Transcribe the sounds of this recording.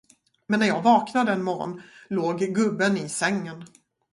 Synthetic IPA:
mɛnːæɾjɑːɡvɑːknad̪əɛnmɔɾɔ̰nloːɡɡɵbːənɪsɛŋːən

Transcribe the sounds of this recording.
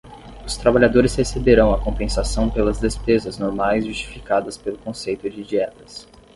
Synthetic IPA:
ʊst̪ɾabaʎad̪oɾɪshesebeɾɐ̃w̃ɐkõpẽsasɐ̃w̃pelɐzd̪espezɐznoɾmajzʒust͡ʃi̥fikad̪ɐspelʊkõsejt̪ʊd͡ʒɪd͡ʒiɛt̪ɐ̥s

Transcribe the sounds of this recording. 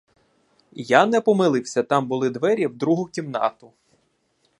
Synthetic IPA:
janɛpɔmɪlˠɪwsʲɐt̪ɑmbʊlˠɪd̪ʋɛɾʲiwd̪ɾuɦʊkʲimnɑ̰t̪ʊ

